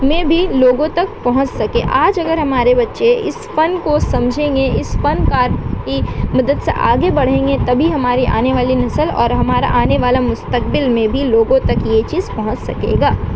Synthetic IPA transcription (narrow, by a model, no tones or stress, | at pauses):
mẽbʱiloːɡõt̪ɐkpɐɦʊ̃t͡ʃsɐkẽʔaːd͡ʒɐɡəɾɦɐmaːɾebɐtːʃeɪ̰spɐnkosɐ̃md͡ʒʱẽːŋɡeɪsfɐnkaːɾkimɐd̪əd̪sḛʔa̰ːɡebɐɽ̤ẽːŋɡet̪ɐbʱiɦɐmaːɾiʔa̰ːneʋaːlinɐsəlɔ̰ːɾɦɐmaːɾa̰ʔaːneʋaːlamʊst̪əkbɪlmẽbʱiloːɡõt̪ɐkjet͡ʃiːzpɐɦʊ̃t͡ʃsɐkḛːɡaː